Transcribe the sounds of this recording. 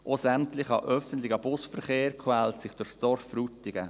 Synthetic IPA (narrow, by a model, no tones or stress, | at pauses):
ʔosæmtlɪχɑʔœfəntlɪɡəb̥ʊsfəɾχeːɾkʰwælsɪχd̥ʊɾsd̥ɔɾfɾutːɪɡ̥ə